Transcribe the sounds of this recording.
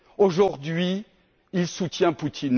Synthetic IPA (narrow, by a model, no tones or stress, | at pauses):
oʒuʁd̪ɥi | ilsut̪jɛ̃put̪ʰin